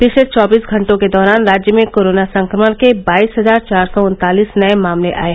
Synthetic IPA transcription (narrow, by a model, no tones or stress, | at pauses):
pɪʃlet͡ʃɔːbiːsɡʱɐ̃ɳʈõked̪ɔːɾaːnɾaːd͡ʒjəmẽkoːɾoːnasɐ̃ŋkɾəmənkebaːiːsɦɐzaːɾt͡ʃaːɾsɔʊ̃nt̪aːliːsnɐemaːmleʔa̰ːeː